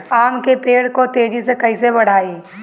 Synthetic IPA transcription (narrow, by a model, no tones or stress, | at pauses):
aːmkepeːɽkot̪eːd͡ʒisekɐisebɐɽ̤aːiː